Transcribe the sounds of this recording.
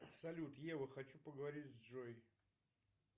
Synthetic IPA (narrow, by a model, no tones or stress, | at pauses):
sɐlʲut̪jɛvɨxɐt͡ʃupəɡəvɐɾʲizd͡ʒoj